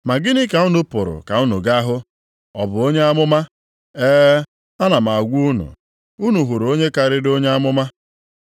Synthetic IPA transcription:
ma˨ɡɪ˦nɪ˦ka˨u˦nʊ˦pʊ˨ɾʊ̰˨ka˨u˦nṵ˨ɡa˦ɦʊ˦ | ɔ˨bʊ˨o˦ɲe˦a˦mʊ˦ma˦ | eː˦ | a˦na˨ma˨a˨ɡʷu˦u˦nṵ˨ | u˦nu˨ɦu˨ɾo˦ɲe˦ka˨ɾɪ˦do˦ɲe˦a˦mʊ˦ma˦

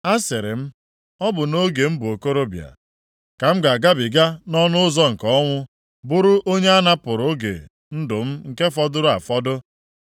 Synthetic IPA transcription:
a˦sɪ˨ɾɪ̰˨m̩˦ | ɔ˦bʊ˨no˦ɡe˨m̩˦bʊ˨o˨ko˦ɾo˦bja̰˨ | ka˨m̩˦ɡa˨ɡa˦bi˨ɡa˦nɔ˦nʊ˦ʊ˦zɔ˦ŋ̩˨kɔ˦ŋʷʊ˦ | bʊ˦ɾʊ˦ʔo˦ɲe˦a˦na˦pʊ˨ɾʊ˨˦ɡḛ˨ | n̩˦dʊ˨m̩˦ŋ̩˨ke˦fɔ˦dʊ˦ɾʊ˦a˨fɔ˦dʊ˦

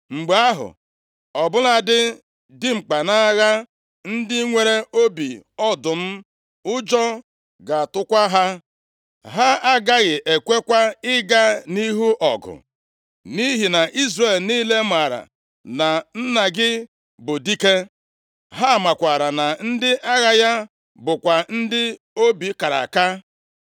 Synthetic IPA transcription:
ŋ͡m̩˨ɡ͡ba˦ɦʊ̰˨ | ɔ˨bʊ˦la˦dɪ˦ | dɪ˦ŋ͡m̩˨k͡pa˨na˦ɣa˦ | n̩˦dɪ˦ŋʷe˨ɾe˦o˦bi˨ɔ˦dʊ˨m̩˦ | ʊ˦d͡ʒɔ˦ | ɡa˨tʊ˦kʷa˦ɦa˦ | ɦa˦a˦ɡa˦ɣɪ˨ʔe˨kʷe˦kʷa˦ɪ˦ɡa˦ni˦ɦu˦ʔɔ˨ɡʊ̰˨ | ni˦ɦi˨na˨ʔi˦zre˦˨lni˦le˦ma˨ɾa̰˨ | na˨n̩˦na˨ɡɪ˦ | bʊ˨di˦ke˦ | ɦa˦a˨ma˨kʷa˨ɾa˨na˨n̩˦dɪ˦ʔa˦ɣa˨ja˦ | bʊ˨kʷa˨n̩˦dɪ˦ | o˦bi˨ka˨ɾa̰˨ka˦

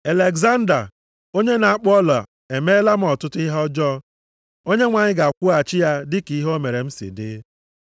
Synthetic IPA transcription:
e˨le˨ɡza˦n̩˦da̰˨ | o˦ɲe˦na˨a˦˨k͡pɔ˦la̰˨ | e˨me˦la˦m̩˦˨ɔ˨tʊ˦tʊ˦ɪ˦ɦɔ˦d͡ʒɔ˦ | o˦ɲe˦ŋʷa˨ɲɪ˦ɡa˨kʷʊ˦a˨t͡ʃɪ˦ja˦dɪ˦ki˨˦ɦo˦me˨ɾe˨m̩˦sḭ˨dɪ̰˦

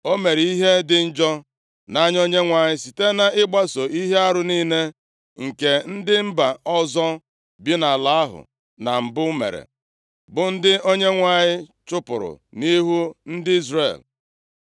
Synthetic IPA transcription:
o˦me˨ɾi˨i˦ɦe˦dɪ˨n̩˦d͡ʒɔ˦ | na˦ɲ˦o˦ɲe˦ŋʷa˨ɲɪ˦si˨te˦na˨ɪ˦ɡ͡ba˦so˨i˦ɦe˦a˦ɾʊ˨ni˦ne˦ | ŋ̩˨ke˨n̩˦dɪ˦m̩˦ba˨ɔ˦zɔ˦ | bi˦na˨la˦a˦ɦʊ̰˨ | na˨m̩˨bʊ˦mḛ˨ɾḛ˨ | bʊ˨n̩˦dɪ˦o˦ɲe˦ŋʷa˨ɲɪ˦t͡ʃʊ˦pʊ̰˨ɾʊ̰˨ni˦ɦu˦n̩˦dɪ˦i˦zrḛ˦˨l

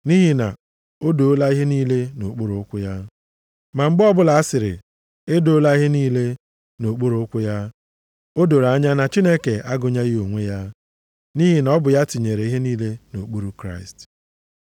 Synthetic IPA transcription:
ni˦ɦi˨na̰˨ | o˦do˨o˦la˦i˦ɦe˦niː˦le˦no˨k͡pu˦ɾʊ˨ʊ˦kʷʊ˦ja˦ | ma˨ŋ͡m̩˦ɡ͡bɔ˦bʊ˦la˨a˦sɪ˨ɾɪ̰˨ | e˦do˦la˦i˦ɦe˦niː˦le˦ | no˨k͡pu˦ɾʊ˨ʊ˦kʷʊ˦ja˦ | o˦do˨ɾa˨˦ɲa˦na˨t͡ʃi˦ne˦ke˨ʔa˦ɡʊ˨ɲa˦ɣo˨ŋʷe˦ja˦ | ni˦ɦi˨n˨ɔ˦bʊ˨ja˦ti˨ɲe˨ɾe˨˦i˦ɦe˦niː˦le˦no˨k͡pu˦ɾu˦kɾa̰˦ɪ˨st

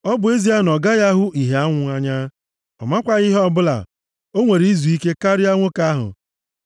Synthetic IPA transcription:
ɔ˦bʊ˨e˦zi˦a˦nɔ˨ɡa˦ɣa˦ɦʊ˦ʔi˨ɦe˨a˦ŋʷʊ˨a˦ɲa˦ | ɔ̰˨ma˦kʷa˦ɣi˦ɦɔ˦bʊ˦la̰˨ | o˦ŋʷe˨ɾi˨i˦zu˨i˦ke˦ka˦ɾɪ˦a˦ŋʷʊ˦ka˦ɦʊ̰˨

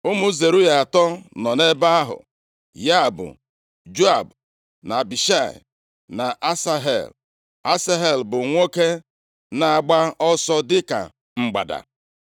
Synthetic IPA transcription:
ʊ˦mu˦ze˨ɾu˦ja˨a˨tɔ˦nɔ˨ne˦ba˦a˦ɦʊ̰˨ | ja˦˨bʊ̰˨ | d͡ʒo˦a˨b | na˨bi˨ʃa˦˨ɪ̰˨ | na˨ʔa˦sa˦ɦḛ˨l | a˦sa˦ɦe˦˨lbʊ˨ŋʷo˦ke˦ | na˨a˨ɡ͡ba˦ɔ˦sɔ˦dɪ˦ka̰˨ | ŋ͡m̩˨ɡ͡ba̰˨da̰˨

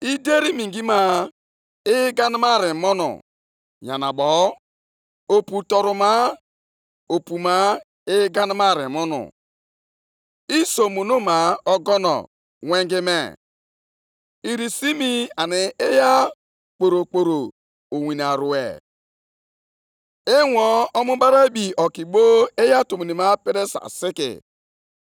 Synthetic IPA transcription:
i˦de˦ɾi˦mi˨ŋ˨ɡi˦ma˦ | ɪ˦ɡa˦ni˦ma˦˨ɾɪ˨mɔ˦nɔ̰˨ | ɲa˨na˨bɔ˨ | o˨pu˨tɔ˨ɾu˨ma˦ | o˨pu˨ma˦ | ɪ˦ɡa˦n˦ma˦˨ɾḛ˨mɔ˦nɔ̰˨ | i˦so˨mo˨no˦ma˨ɔ˦ɡɔ˦nɔ̰˨ | wʷe˦ŋɡɪ˦me˨ | i˦ɾi˨si˦mi˦a˨nɪ˨e˦ja˦ | k͡po˨ɾo˨k͡po˨ɾo˨ | o˨wi˨n˨a˨ɾu˨ḛ˨ | e˦wɔ˦ɔ˦mũ˦ba˦ɾa˦bi˨ɔ˨ki˨bo˦e˦ja˦to˨mi˨ni˨ma˦pɪ˦ɾe˦sa̰˨sɪ˦kɪ̰˨

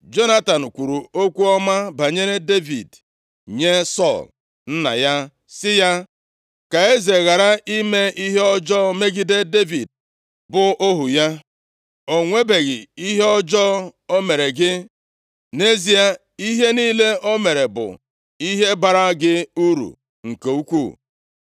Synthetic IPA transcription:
d͡ʒo˦na˦ta˨n̩˨kʷu˨ɾu˨o˦kʷu˦ɔ˦ma˦ba˨ɲe˦ɾe˦de˦vḭ˨d | ɲe˦sɔ˦˨l | n̩˦na̰˨ja˦ | sɪ˦ja˦ | ka˨e˦ze˨ɣa˨ɾa˦ʔi˦me˦i˦ɦe˦ɔ˦d͡ʒɔ˦me˦ɡi˦de˦de˦vi˨d̚ | bʊ˨ʔo˦ɦu˨ja˦ | o˨ŋʷe˦be˨ɣɪ˨i˦ɦe˦ɔ˦d͡ʒɔ˦o˦me˨ɾe˨ɡɪ˦ | ne˦zi˦a˨ | i˦ɦe˦niː˦le˦o˦me˨ɾe˨bʊ̰˨ | i˦ɦe˦ba˨ɾa˦ɡɪ˦u˦ɾṵ˨ | ŋ̩˨ke˨u˦kʷu˦˨

